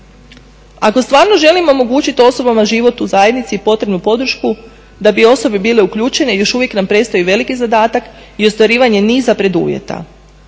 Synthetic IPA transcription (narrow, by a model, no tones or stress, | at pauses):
ako̞st̪ʋaːɾno̞ʒe̞limoomo̞ɡuːt͡ɕit̪io̞so̞bamaʒiʋo̞t̪uzaje̞d̪nit̪siːpo̞t̪ɾe̞bnupo̞d̪ɾ̩ʃku | d̪abio̞so̞bibiːle̞ukʎuːt͡ʃe̞ne̞jo̞ʃuʋje̞knampɾe̞st̪o̞iʋe̞likizad̪aːt̪ak | io̞st̪ʋaɾiːʋaɲe̞niːzapɾe̞d̪ṵʋje̞̰t̪a̰